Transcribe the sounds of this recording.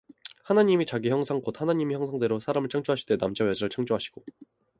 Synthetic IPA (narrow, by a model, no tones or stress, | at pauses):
hanaɲimit͡ɕaɡiçjʌŋsʰaŋk͈ot̚hanaɲimiçjʌŋsʰaŋde̞ɾosʰaɾamɯɭt͡ɕʰaŋd͡ʑ͈oaɕʰi̥de̞namd͡ʑajʌd͡ʑaɾɯɭt͡ɕʰaŋd͡ʑ͈oɦaɕʰi̥ɡ̥o